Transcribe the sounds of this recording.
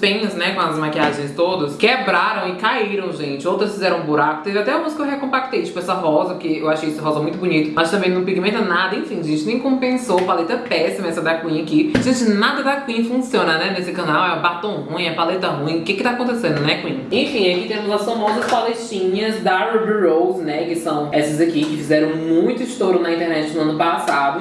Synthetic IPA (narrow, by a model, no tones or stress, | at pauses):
spẽɲɐznɛkõɐzmakiaʒẽj̃st̪od̪ɐskɛbɾaɾɐ̃w̃ɪkaiɾɐ̃w̃ʒẽnt͡ʃɪowt̪ɾɐsfizɛɾɐ̃ũbuɾakʊ̥t̪ẽvat̪ɛɐmuzkɐewɦekõmpak̚t̪ejt͡ʃi̥pʊɛsɐɦɔzɐpʊkeewaʃejɛsɪɦɔzɐɛmũj̃t̪ʊbuɲit̪ʊ̥mɐst̪ɐ̃mbẽj̃nɐ̃w̃piɡimẽnt̪ɐnad̪ɐẽfĩʒẽnt͡ʃɪnẽj̃kõpẽsopalet̪ɐpɛsimɐɛsɐd̪akwĩɲɐkizĩt͡ʃɪnad̪ɐd̪ɐkwĩɲfũsiõnɐnɛnesɪkɐ̃nawɛũbat̪õɦũj̃ɐpalet̪ɐɦũĩʊkɪkɪ̥t̪akõnt̪esẽnd̪ʊnɛkwĩẽfĩakit̪ẽmʊzɐsfamɔzɐspalet͡ʃĩɲɐzd̪ɐɾubiɾowznɛkɪsɐ̃w̃ɛsɐzɐkikɪfizɛɾɐ̃w̃mũj̃t̪ʊɪʃt̪oɾʊnɐĩt̪ɛɾnɛt͡ʃɪnʊɐ̃nʊpasad̪ʊ